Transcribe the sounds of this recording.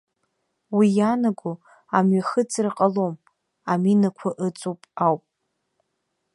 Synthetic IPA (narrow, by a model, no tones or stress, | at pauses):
wijanaɡʷu | amɥaχət͡sʰrqʼalom | aminakʷʰaʔɨt͡sʼupʼawpʼ